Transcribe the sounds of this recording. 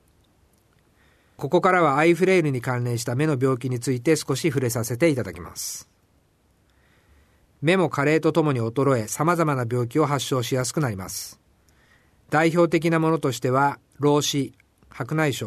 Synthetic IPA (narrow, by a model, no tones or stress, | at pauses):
ko̞ko̞kaɾaβaːiɸɯ̟ɾe̞ːɾɯ̟ɲ̟ikãnɾẽ̞ɰ̃ɕ̬i̥t̪ame̞no̞bʲo̞ːk̬ʲiɲ̟it͡sɨit̪e̞sɨ̥ko̞ɕiɸɯ̟ɾe̞sase̞t̪e̞it̪ad̪akʲima̰sɨ̥ | me̞mo̞kaɾe̞ːt̪o̞t̪o̞mo̞ɲ̟io̞t̪o̞ɾo̞e̞samazamanabʲjo̞ːkʲio̞ɦaɕːo̞ːɕijas̬ɨ̥kɯ̟naɾʲima̰sɨ̥ | d̪̥aiço̞ːt̪e̞k̬ʲinamo̞no̞t̪o̞ɕi̥t̪e̞β̞a | ɾo̞ːɕi | hakɯ̟naiɕo